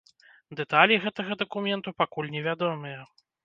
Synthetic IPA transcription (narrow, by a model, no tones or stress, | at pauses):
d̪ɛt̪alʲiɣɛt̪ɐɣɐd̪ɐkumʲɛnt̪upakulʲnʲɛvʲad̪ɔmɨjɐ